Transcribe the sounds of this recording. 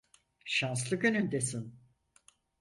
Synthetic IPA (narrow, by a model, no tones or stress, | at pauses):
ʃans̬lˠɯkønynd̪esin